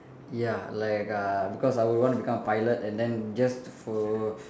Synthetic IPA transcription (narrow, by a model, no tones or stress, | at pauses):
jalaɪkabikɔsajwudwɔ̃ntubikãmpajlətɛ̃ndɛ̃nd͡ʒastfɔ